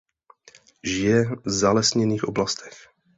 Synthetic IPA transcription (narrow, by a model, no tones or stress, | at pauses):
ʒɪjɛvzalɛsɲɛniːxʔoblast̪ɛ̥x